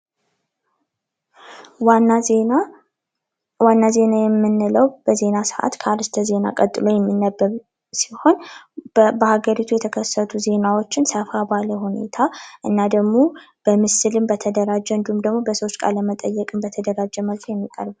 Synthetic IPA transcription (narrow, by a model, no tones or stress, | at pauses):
wanːaze̞najɛmːɨnːɨləwb̥əze̞nasɨʔa̰t̪kʰəaɾɨst̪ʰəze̞na̰kʼət̪ʼːɨlo̞jɛmːinːəbːəɾ | si̥ho̞n | bəhaɡəɾit̪ʰujɛt̪ʰəkʰəsːət̪ʰuze̞nawo̞t͡ʃːɪnsəfabaləhune̞̰t̪ʰaʔɨnːad̪əɡmo̞ | b̥əmɨsɨlɨmbət̪ʰəd̪əɾad͡ʒːɛɨnd̪ihumd̪əɡmobəsəwot͡ʃːkʼa̰ɾləmət̪ʼəjːɛkʼɨmbət̪ʰəd̪əɾad͡ʒːɛməlfjɛmːikʼə̰ɾbɨl